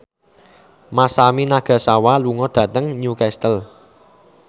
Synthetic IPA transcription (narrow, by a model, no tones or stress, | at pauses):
masaminaɡ̥a̤sawaluŋɔd̪̥ä̤t̪əŋɲukɛst̪əl